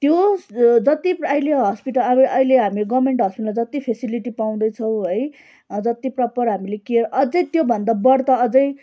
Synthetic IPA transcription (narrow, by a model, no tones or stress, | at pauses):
t̪jod͡zʌt̪ipʌileɦʌspiʈʌlʔʌileɦamileɡʌbmeɳʈɦʌspiʈlmad͡zʌt̪ipʰesiliʈipaw̃d̪ʌjt͡sʰʌw̃ɦʌj | d͡zʌt̪iprʌpʌrɦamilekieɾʔʌd͡zʌjt̪jobʱʌnd̪abʌɽt̪ʌʌd͡zʌj